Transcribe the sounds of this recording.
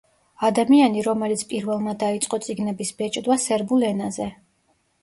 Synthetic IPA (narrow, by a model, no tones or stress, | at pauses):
ad̪amianiɾɔmɛlit̪sʰpʼiɾvɛlˠmad̪ait̪sʼqʼɔt̪sʼiɡnɛbisbɛt͡ʃʼd̪wasɛɾbulɛnazɛ